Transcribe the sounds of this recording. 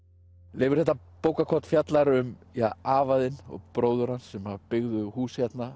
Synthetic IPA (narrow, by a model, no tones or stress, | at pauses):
lɪːvʏɾ̥θɛht̪ːa | poːwkakʰɔt̪fjat̪laɾʏmaaːvaðɪnɔ̰ɣpɾoːwðʏɾansɛmapɪɣðʏhuːsçjɛt̪na